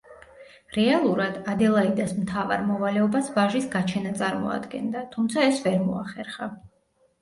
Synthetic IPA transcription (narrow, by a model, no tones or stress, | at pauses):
ɾɛalˠuɾad̪ad̪ɛlˠaid̪asmt̪ʰava̰ɾmɔvalɛɔbasvaʒisɡat͡ʃʰɛnat̪sʼaɾmɔ̰a̰d̪ɡɛ̰nd̪at̪ʰumt̪sʰaɛsvɛɾmɔaχɛɾχa